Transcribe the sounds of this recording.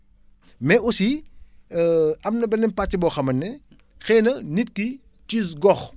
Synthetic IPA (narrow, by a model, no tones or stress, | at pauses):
mɛɔsi | ɐmnɐbɛnɛmpat͡ʃːibɔːxɐmɐnːɛ | xɛːnɐnit̚ki | tis̬ɡɔx